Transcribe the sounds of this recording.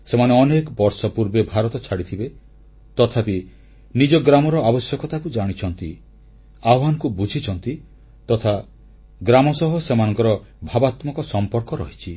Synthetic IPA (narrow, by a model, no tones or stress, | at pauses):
semaneɔnekɔbɔɾsɔpuɾbebʱaɾɔt̪ɔt͡ʃʰaɽit̪ʰibe | t̪ɔt̪ʰapi | nid͡ʒɔɡɾamɔɾɔabɔsjɔkɔt̪akud͡ʒaɽ̃it͡ʃʰɔnt̪i | aɦankubud͡ʒʱit͡ʃʰɔnt̪i | t̪ɔt̪ʰa | ɡɾamɔsɔɦɔsemanɔ̃ŋkɔɾɔ | bʱabat̪mɔkɔsɔmpɔɾkɔɾɔɦit͡ʃʰi